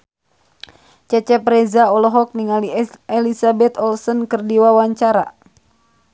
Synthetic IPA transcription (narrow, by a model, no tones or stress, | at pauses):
t͡ʃɛt͡ʃɛpɾɛzaɔlɔɦɔk̚niŋaliɛlisabɛt̪ɔlsɔnkɨrdiwawaɲt͡ʃaɾa̰